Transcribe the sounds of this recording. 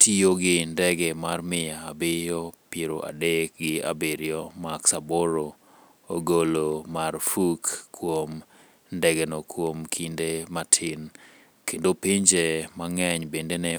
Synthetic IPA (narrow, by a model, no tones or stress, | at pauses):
tʰioɡɪndɛɡɛmarmɪjaːbɪjɔpjeɾoʔa̰dek̚ɡɪa̰bɪɾjɔmaksaboɾo | oɡolomarfukːwom | ndɛɡɛnokwomkʰindematʰɪn | kendopiɲd͡ʒemaŋɛɲbendenɛ